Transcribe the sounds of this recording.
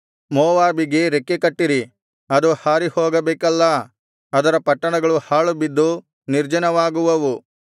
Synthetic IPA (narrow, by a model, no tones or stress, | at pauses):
moːʋaːbiɡe̞ɾekːekɐʈːiɾi | ɐd̪uhaːɾihoːɡɐbɛːkɐlːɐ | ɐd̪ɐɾɐpɐʈːɐɳɐɡɐɭuhaːɭubid̪ːu | niɾd͡ʒɐnɐʋaːɡuʋɐʋu